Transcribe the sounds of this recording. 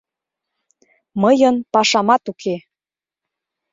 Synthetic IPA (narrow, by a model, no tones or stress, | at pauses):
məjənpɑʃɑmɑt̪ukʰe